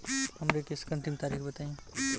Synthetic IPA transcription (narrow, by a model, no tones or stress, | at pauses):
ɦəmɾekeskə̃nt̪imt̪aɾikʰbət̪aĩ